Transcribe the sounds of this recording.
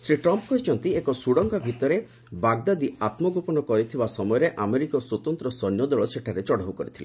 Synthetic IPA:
sɾiʈɾɔmpɔkɔɦit͡ʃʰɔnt̪iekɔsuɽɔŋɡabʱit̪ɔɾe | baɡd̪ad̪iat̪mɔɡupɔnɔkɔɾit̪ʰibasɔmɔjɔɾeʔameɾikɔsot̪ɔnt̪ɾɔsɔnjɔd̪ɔɭɔseʈʰaɾet͡ʃɔɽ̤aɦukɔɾit̪ʰile

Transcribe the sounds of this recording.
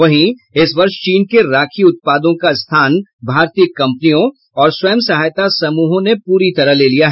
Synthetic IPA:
ʋɐɦĩɪsʋɐɾʃt͡ʃiːnkeɾaːkʰiʊt̪̚paːd̪õkaɪst̪ʰaːnbʱaːɾt̪ijəkːɐ̃mpənijõ | ɔːɾswɐjəmsɐɦaːjt̪asɐmuːɦõnepuːɾit̪ɐɾəɦleːlijaɦɛ

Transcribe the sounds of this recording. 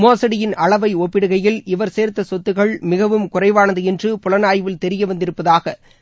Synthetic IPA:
moːsɐɽɪjɪnɐɭɐʋɐɪɔpːɪɽɯɣɐjɪlɪʋɐɾseːɾt̪ɐsɔt̪ːɯɣɐɭmɪɣɐʋɯmkʊrɐɪʋaːnɐðɯɛndrɯpʊlɐnaːjʋɪlt̪ɛɾɪjɐʋɐnd̪ɪɾɯpːɐðaːɣɐ

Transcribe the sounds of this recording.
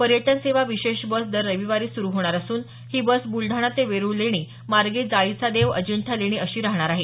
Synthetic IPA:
pəɾjəʈ̪ənseʋaʋiɕeɕbəsd̪əɾːəʋiʋaɾiːsuɾuɦoɽ̃aɾasuːn | hiːbəsbulɖʱaɽ̃at̪eʋeɾuleɽ̃iː | maɾɡed͡zait͡sad̪eʋə̰d͡ʑəɳʈʰaleɽ̃iəɕiːɾaɦɳ̃aɾaɦe

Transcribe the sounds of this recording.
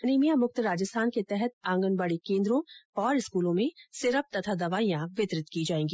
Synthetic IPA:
neːmijamʊkt̪ɾaːd͡ʒəst̪ʰaːnket̪ɛɦɛt̪̚ãːŋɡənbaɽikẽːnd̪ɾõɔːɾɪskuːlõmẽsɪɾəp̚t̪ɐt̪ʰad̪ɐʋaːijãʋɪt̪ɾɪt̪kid͡ʒaːẽːŋɡiː

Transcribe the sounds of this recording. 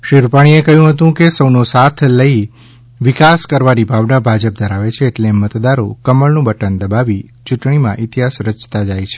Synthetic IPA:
ʃiɾupaɽ̃iekəɦjũɦət̪̬ũkesəwnosat̪ʰləi | ʋɪkaskəɾʋaɾibʱaʋnabʱad͡ʒəp̚d̪ʱəɾaʋet͡ʃʰeːʈlemət̪d̪aɾokəməɭnũbəʈənd̪əbaʋit͡ʃuʈɳimã̰ʔit̪iɦasɾət͡ʃt̪ad͡ʒajt͡ʃʰe̥

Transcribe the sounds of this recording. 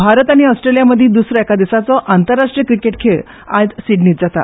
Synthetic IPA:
bʱaɾət̪aɽ̃iɔsʈɾelijaməd̪ʱːĩːd̪usɾɔɛkad̪isat͡sɔʔant̪əɾːaʂʈɾijəkɾikeʈkʰeɭ | a̰d͡zsiɖniːt̪d͡zat̪a̰

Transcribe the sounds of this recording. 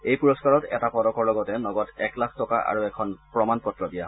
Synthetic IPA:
ejpuɹɔskaɹɔtɛ̰tapɔdɔkɔɹlɔɡɔtɛnɔɡɔtɛklakʰtɔka̰ʔa̰ɹuɛkʰɔnpɹɔmanpɔtɹɔdija

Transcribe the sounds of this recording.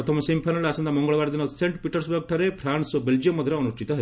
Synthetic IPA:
ɾɔt̪ʰɐmɔsimpʰajnɐɭasɐnd̪amɔŋɡɔɭɔʋaɾd̪inɔseɳʈpiʈɔɾsbɐɾɡ̚ʈʰaɾepʰɾaɳsbeld͡ʒijɔmːɔd̪ʱjɾeɔnuʃʈʰit̪ɔɦe

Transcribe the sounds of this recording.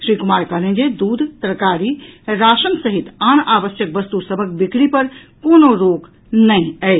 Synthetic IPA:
ʃɾikumaɾkəɦlend͡ʒed̪ud̪ʱt̪əɾkaɾiɾaʃənsəɦit̪anabəsjək̚bəst̪usəbʱək̚bikɽipəɾ | konoɾoɡ | nəĩəɪt͡ʃ

